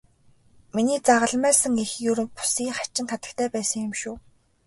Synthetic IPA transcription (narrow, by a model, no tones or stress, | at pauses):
miniːt͡saʁə̆ɮmæːsə̆ŋixjɵɾɵ̆pu̥siːŋχḁt͡ɕɪ̆nχʰat̪ə̆ɬt̪æːpæːsə̆ŋjɪ̆mʃuː